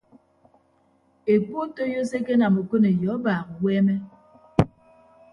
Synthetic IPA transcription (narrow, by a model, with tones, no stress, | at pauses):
e˨ko˦to˦jo˦se˦ke˦na˨mo˨ko˦ne˨jɔ˨˦baː˨ɣwɛː˦mɛ˦